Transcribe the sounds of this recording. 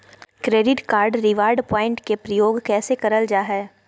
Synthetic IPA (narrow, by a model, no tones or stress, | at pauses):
kɾeːɖɪʈkaːɾɖɾɪʋaːɾɖpɔːɪ̃ɳʈkepɾɐjoːɡkɛːsekɐɾəld͡ʒaːɦɛː